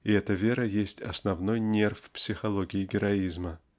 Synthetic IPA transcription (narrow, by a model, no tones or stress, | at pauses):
ɪɛt̪əvʲe̞ɾəjesʲtʲɐsnɐvnojnʲerfpsʲɪxɐlˠoɡʲɪɪɡʲɪɾɐizmə